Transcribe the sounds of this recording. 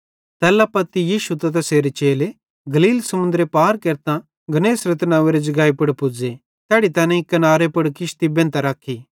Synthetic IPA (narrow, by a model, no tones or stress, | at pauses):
t̪ɛːlapɐt̪ijiːʃut̪ɐt̪̬ɛseːɾet͡ʃeːle | ɡɐliːlsɐmʊ̃nd̪ɾepaːɾkeːɾt̪ã | ɡɐneːsɾet̪nãːʋeɾed͡ʒɐɡaːipɐɽpʊd͡ze | t̪ɛːɽit̪ɛːnɛ̃ɪkːɐnaːɾepɐɽkɪʃt̪ibẽːnt̪aɾaːkʰːi